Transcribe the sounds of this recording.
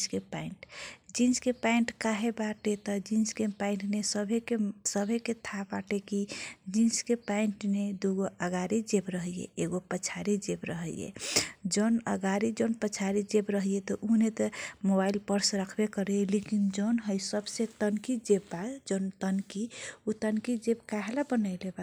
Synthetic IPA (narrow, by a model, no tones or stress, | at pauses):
skepaiɳʈd͡ʒinskepaiɳʈkaɦebaʈet̪ɔd͡ʒinskepaiɳʈnesəbʱekesəbʱeket̪ʰabaʈekid͡ʒinskepaiɳʈned̪uɡoəɡaɾid͡ʒebɾəɦjḛeɡopət͡ʃʰaɾid͡ʒebɾəɦəjḛd͡ʒənə̰ɡaɾid͡ʒonpət͡ʃʰaɾid͡ʒebɾəɦjet̪ɔʔunet̪əmobailpəɾsɾəkʰbekəɾelekind͡ʒənɦəjsəbset̪ənkid͡ʒebbat̪d͡ʒont̪ənkiut̪ənkid͡ʒebkaɦelabənəjleba